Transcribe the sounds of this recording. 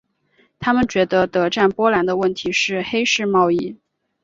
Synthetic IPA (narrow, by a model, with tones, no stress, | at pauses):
t̪ʰa˥mə˨nt͡ɕɥɛ˧˥d̪ə˧t̪ɤ˧˥ʈ͡ʂa˥˩npwɔ˥la˧˥nd̪ə˧wə˥˩nt̪ʰi˧˥ʂɻ̩˥˩xe˥ɪʂɻ̩˥˧mɑ˥˧ʊi˥˩